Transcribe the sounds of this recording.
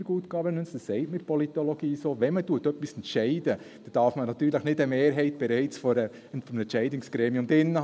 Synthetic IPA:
ɡuːtkɑːbənʉnsd̥əsːɛɪtmɪt̚pʰɔlit̪oloɡiːsoːʋɛnmətuətœpːisɛntʃɛɪdə | d̥ɑd̥ɑːɾfmənɑt̪yːɾləχnɪdəmeːɾɦɛɪt̚b̥ɛɾɛɪt͡sfɔɾə | tfɔmɛnʃɛɪdɪŋsɡ̥ɾeːmiʊmdɪnːə

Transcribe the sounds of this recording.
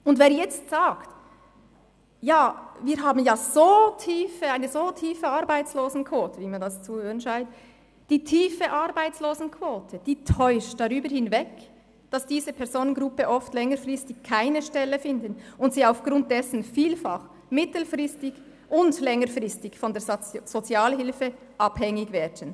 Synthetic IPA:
ʊndveːɐɾjɛt͡stz̥aːkt | jaːviːɾɦaːbn̩jaːz̥oːtʰiːfəaɪnəzoːtʰiːfəɑɾbaɪt͡sloːzn̩kʰv̥oːtəviːmɑndɑst͡suhøːɾənʃaɪnt | d̥iːtʰiːfəʔɑɾbaɪt͡sloːzn̩kʰv̥oːtʰəd̥iːtʰɔʏʃtd̥ɑʁyːbəɾhɪnvɛk | d̥ɑsd̥iːzəpʰɛɐzoːnənɡʁʊpəʔɔftlɛŋəɾfrɪstɪçkʰaɪnəʃtɛləfɪndənʊntsiːaʊfɡ̥ɾʊnt̚d̥ɛsn̩fiːlfɑχ | mɪtl̩fʁɪstɪɡ | ʔʊndlɛŋəɾfʁɪstɪçfɔndɛːɐz̥ot͡sjɑːlɦɪlfə | ʔɑbhɛŋɪɡvɛːdən

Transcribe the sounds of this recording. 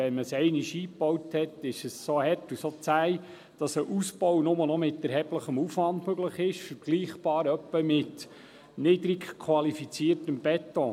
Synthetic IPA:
ɛnməsɛɪnɪʃiːpɔwthɛtɪʃəssoːhɛrtusot͡sæj | d̥ɑsəʔuspɔwnʊmənɔmɪt̪ɛɾɦɛb̥ləχəmufʋɑndmøɡləχɪʃfəɾɡliːχb̥ɑːɾœpːəmɪt | nɪd̪ɾikkʰwɑlifit͡siːəɾtəmbɛtːɔ

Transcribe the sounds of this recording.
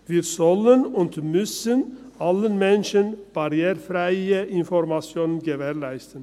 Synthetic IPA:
ʋiːɾsɔlənʊnt̪mʉsənɑlːənmɛnʃənb̥ɑɾjeːɾfɾæɪəʔɪnfɔɾmɑsjoːnənɡəveːɾlæɪst̪ən

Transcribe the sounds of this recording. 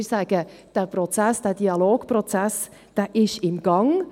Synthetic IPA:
sæɡ̥əd̥ɛːprɔt͡sæsd̥ɛːd̥iɑloːɡ̥prɔt͡sæs | d̥ɛːʔɪʃɪmɡ̥ɑŋ

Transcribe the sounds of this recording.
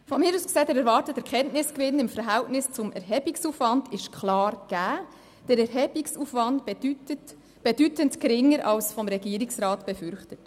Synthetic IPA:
fɔmɪːɾuːsksɛːdɛɾɛɾvɑːɾtəd̥əɾkʰɛntnɪskʋɪnɪmfəɾɦæltnɪst͡sʊmɛɾɦɛbiksufʋɑndɪʃkχlɑːrɡ̥æː | d̥əɾɛɾɦɛb̥iksuːfʋɑndyt | b̥ed̥ytəntkɾɪŋːəɾʔɑlsfɔmɾɛɡiːəɾiksɾɑːtb̥ɛfʏɾχtət

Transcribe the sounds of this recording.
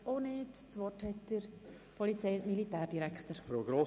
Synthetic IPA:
ʔoneːtt͡sʋɔthɛtd̥əɾ | pʰɔlit͡sɛjʊntmilitɛːɾd̥iɾɛkt̪əɾfɾoːɡɾoː

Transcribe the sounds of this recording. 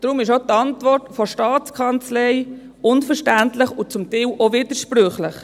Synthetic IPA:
d̥ɾʊmɪʃot̪ɑntvɔrtfɔʃtɑːt͡skʰɑnt͡slɛɪ | ʊnfəɾʃtæntlɪχʊt͡sʊmtɛwʔovɪd̥əɾʃpɾøχləχ

